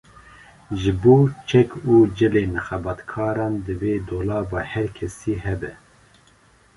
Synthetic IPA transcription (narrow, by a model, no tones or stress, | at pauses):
ʒɨboːt͡ʃʰɛkuːd͡ʒɛleːnɨxɛbɑːt̪kʰɑːɾɑːnd̪ɨveːd̪oːlɑːvɑːhɛɾkʰɛsiːhɛbɛ